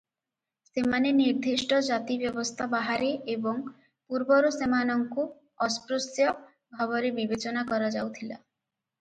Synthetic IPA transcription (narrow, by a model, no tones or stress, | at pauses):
semaneniɾd̪ʱiʃʈɔd͡ʒat̪ibjɔbɔst̪ʰabaɦaɾeebɔŋ | puɾbɔɾusemanɔŋku | ɔspɾusjɔ | bʱɔβɔɾebibet͡ʃɔnakɔɾad͡ʒawt̪ʰila̰